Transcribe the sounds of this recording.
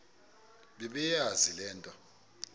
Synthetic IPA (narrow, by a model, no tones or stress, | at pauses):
ɓɛɓɛjazilɛːntʼwa